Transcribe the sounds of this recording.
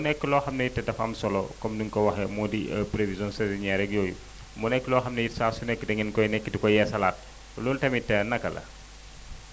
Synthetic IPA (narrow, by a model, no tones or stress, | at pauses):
munɛkːəlɔxɐmnɐjitɛdɐfɐ̰msɔlɔkɔmduŋkɔwɐxɛmɔdiɐ̰pɾevizɔnsɛziɲaɾɛk̚jɔːjṵ | munɛkːəlɔxɐmnɐjitsaːsunɛkːidɐŋɛnkɔjnɛkːidikɔjɛsɐlaːt̚ | lɔːltɐmitːɐnɐkɐlɐ̰